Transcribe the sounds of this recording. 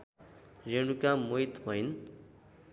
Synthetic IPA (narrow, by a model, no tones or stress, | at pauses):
reɽ̃ukamojt̪bʱʌjn